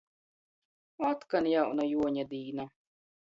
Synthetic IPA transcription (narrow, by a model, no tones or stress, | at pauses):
at̪kanjawnajuɔɲad̪iːna